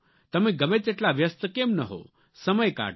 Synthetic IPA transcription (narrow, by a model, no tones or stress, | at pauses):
t̪əmẽɡəmet͡seʈlaʋjəst̪əkemnəɦo̰ | səməjka̰ː